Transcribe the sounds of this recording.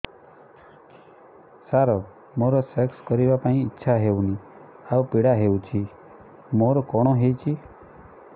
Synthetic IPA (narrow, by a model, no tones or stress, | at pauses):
saɾɔ | moɾɔsekskɔɾibapaĩːtːʃʰaɦewni | awpiɽaɦewt͡ʃʰi | moɾɔkɔɽ̃ɔɦejt͡ʃʰi